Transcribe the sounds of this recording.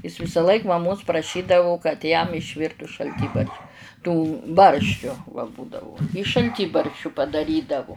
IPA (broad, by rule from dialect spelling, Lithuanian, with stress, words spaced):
ˈɪs ʋʲɪsɐˈlˠɐɪk mɐˈmoːs prɐˈʃʲiːdɐʋʊ kɐt jɛm ɪʃʲˈʋʲɪrtʊ ʃɐlʲˈtʲiːbɐrʃ tuː ˈbɐrʲʃʲt͡ʃʲʊ ʋɐ ˈbuːdɐʋʊ ɪ ʃɐlʲˈtʲiːbɐrʲʃʲt͡ʃʲʊ pɐdɐˈrʲiːdɐʋʊ